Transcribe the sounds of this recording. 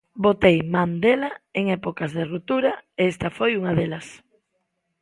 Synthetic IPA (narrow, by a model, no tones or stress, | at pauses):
bot̪ejmand̪elaeŋɛpokazðerut̪uɾaeest̪ɐfojuŋaðelɐs